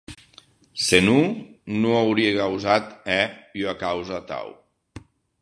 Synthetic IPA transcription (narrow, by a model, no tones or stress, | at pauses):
senunoawɾiekawzat̪ɛakawzat̪a̰w